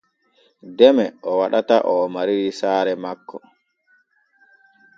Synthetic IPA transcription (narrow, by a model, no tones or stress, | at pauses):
dɛmɛʔɔwaɗataʔɔmaɾiɾisaːɾɛmakːɔ